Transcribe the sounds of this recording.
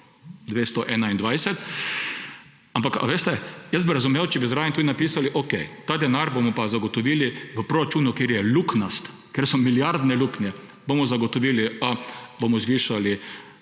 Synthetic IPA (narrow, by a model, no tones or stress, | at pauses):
d̪ʋeːst̪ɔʔɛːnaind̪ʋajsɛt̪ | ampaka̰ʋeːst̪ɛjɛəs̚biɾazumewt͡ʃɛbizɾaːjɛnt̪ud̪inapiːsaliʔokɛjt̪aːd̪ɛnaɾbomɔpazaɡɔt̪ɔʋiːliʋəpɾɔɾat͡ʃuːnʊkeɾjɛluknɔst̪ | keɾsɔmiljaɾd̪nɛluknjɛ | bomɔzaɡɔt̪ɔʋiːliabomɔzʋiːʃali